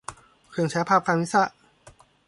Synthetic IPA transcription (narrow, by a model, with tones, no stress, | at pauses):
kʰɯ˧˩ŋt͡ɕʰɛː˨˦˥pʰaː˥˩p̚kʰa˧nwi˦˥sa˧˥˩ʔ